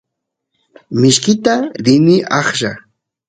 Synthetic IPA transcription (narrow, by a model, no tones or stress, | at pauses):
mɪʃkɪt̪aɾɪnɪʔɑχʒa